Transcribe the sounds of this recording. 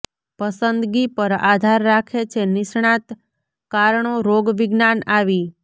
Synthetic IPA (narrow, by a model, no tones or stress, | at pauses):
pəsənd̪ɡipəɾad̪ʱaɾːakʰet͡ʃʰenɪʃɳãt̪ | kaɾɳoɾoɡʋɪɡnanaʋi